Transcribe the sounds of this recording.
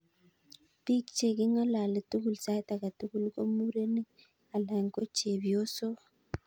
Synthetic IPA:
pi˦kt͡ʃe˨ki˦ŋa˦la˨le˨tu˦ɡu˨lsa˦ta˨ka˨tu˦ɡu˦lko˦mu˦ɾe˦ni˦ | a˨la˨ŋko˦t͡ʃe˨bi˨jo˦so˦

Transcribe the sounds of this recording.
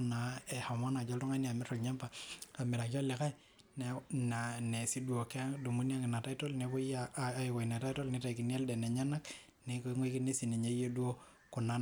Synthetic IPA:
na˨e˨ha˨ma˦na˨d͡ʒo˦ltɔ˦ŋa˦ni˦a˨mi˦ɾo˨lɲa˦mpa˨a˨mɪ˨ɾa˨kjo˦le˨ka˦j | n˨na˨ne˨si˦du˦o˨ke˦ŋdo˨mu˦ni˦a˦ŋi˨na˨ta˦i˦to˦lne˨bo˦ja˦a˦ji˨kɔ˨i˨na˨ta˦i˦to˦lni˦ta˨i˨ki˨ni˦e˦lde˨ne˨ɲa˦na˦k | ne˨kŋwe˦ki˦ne˦si˨ni˨ɲe˦je˦du˦o˦ | ku˨na˨˦

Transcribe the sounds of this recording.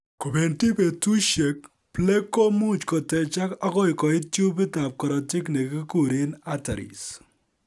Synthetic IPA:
ko˨be˨nti˦pe˨tu˦ʃje˨k̚ | ple˦kːɔ˦mu˦t͡ʃkɔ˨tɛ˨t͡ʃa˦ka˦kɔ˦ɪ˨kɔ˨ɪ˦tju˦pɪ˦ta˨p̚kɔ˨ɾɔ˨tɪ˦kne˨kɪ˦ku˨ɾi˦na˦ta˨ɾḭ˨s

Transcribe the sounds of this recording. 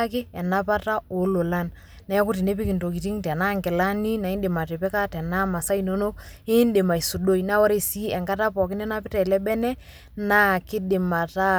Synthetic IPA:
kɪ˦ɛ˨na˦pa˦ta˦o˨˦lo˨la˦n | na˨ja˦kʊ˦ti˨ne˦p̬i˦kɪ˨nto˨k̬i˨ti˦ŋtɛ˨na˦ŋkɪ˨la˦ni˦na˨i˦ndɪ˨ma˨tɛ˨pɛ˦ka˦tɛ˨na˦ma˨sa˦i˨no˦no˦kɪ˦nde˨ma˨i˨su˨do˦ina˦wa˦ɾe˦˨si˦ɛ˨ŋka˦ta˦pɔ˨k̬ɪ˦nɛ˦na˦pɪ˦tɛ˨lɛ˦bɛ˦nɛ˦ | na˦kɪ˦dɪ˨ma˨ta˦

